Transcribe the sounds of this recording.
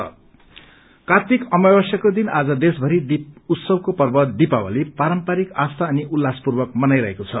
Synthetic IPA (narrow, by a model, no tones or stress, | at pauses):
ʌ̰ | kat̪ikʌmʌbʌsjʌkod̪inad͡zʌd̪esbʱʌɾid̪iut̪sʌbkopʌrbʌd̪ipawa̰lipaɾʌmpaɾikast̪ʰaʌniʔulːaspurbʌk̚mʌnajɾʌɦekot͡sʰʌ